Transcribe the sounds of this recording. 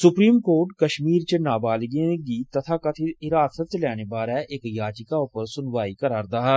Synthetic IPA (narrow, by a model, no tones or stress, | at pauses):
sʊpɾiːmkoːɾʈkɐʃmiːɾt͡ʃənaːbaːlɡẽɡit̪ɐt̪ʰakat̪ʰeɪɾaːsət̪̚t͡ʃlɛːnebaːɾɛeːkjaːt͡ʃɪkaʊpəɾsʊnʋaːikəɾaːɾd̪aːɦ